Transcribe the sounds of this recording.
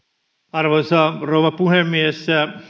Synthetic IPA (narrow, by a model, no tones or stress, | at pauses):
ɑrʋonsɑrouʋɑpuhemːiesːæ